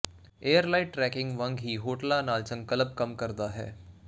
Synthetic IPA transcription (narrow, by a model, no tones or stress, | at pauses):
eːəɾlaɪʈːɾɛːkɪ̃ŋɡʋɐ̃ŋɡɦiːɦoːʈlanaːlt͡ʃə̃ŋɡ̚kɐləb̚kɐmkɐɾd̪aɦɛ̰ː